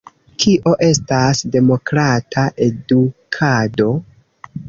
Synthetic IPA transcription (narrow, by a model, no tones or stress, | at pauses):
kʰiʔo̞ʔe̞stasde̞mo̞kɾatʰaʔe̞dukʰado̞